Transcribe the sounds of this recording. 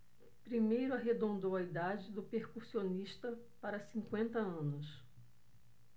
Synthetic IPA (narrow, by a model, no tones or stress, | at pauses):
pɾimejɾʊaɦed̪õnd̪owɐid̪ad͡ʒɪd̪ʊpeɾkuɾsioniʃt̪ɐ | paɾɐsĩŋkwẽnt̪ɐɐ̃nʊs